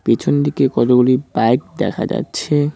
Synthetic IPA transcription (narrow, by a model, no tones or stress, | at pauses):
pit͡ɕʰond̪ikekɔt̪oɡulibaek̚d̪ɛ̰kʰa̰d͡ʑa̰tːɕʰe